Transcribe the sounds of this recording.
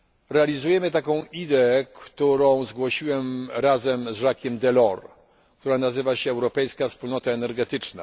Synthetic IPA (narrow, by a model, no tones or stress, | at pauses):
ɾɛalʲizujɛmɘt̪akɔ̃w̃id̪ɛkt̪uɾɔ̃w̃zɡwɔɕiwɛmɾazɛmzʐakʲɛmd̪ɛlɔɾ | kt̪uɾanazɘvaɕɛːwɾɔpɛjskafspulnɔt̪aɛnɛɾɡɛt̪ɘt͡ʂna̰